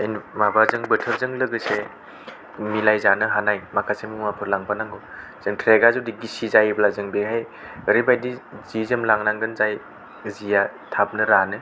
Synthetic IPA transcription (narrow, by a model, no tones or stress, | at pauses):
ejnmabazɯŋbɯtʰɯɾzɯŋlɯɡɯse | milajzanɯɦanajmakʰasemuŋmapʰɯɾlaŋpʰanaŋɡo | z̥ɯŋtʰɾeɡazudiɡisizajblazɯŋbeɦaj | ɾibajdizizɯmlaŋnaŋɡɯnzaj | zijatʰap̚nɯɾanɯ